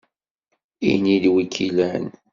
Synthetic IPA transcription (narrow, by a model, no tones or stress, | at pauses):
ḭnid̪wikʰːilæn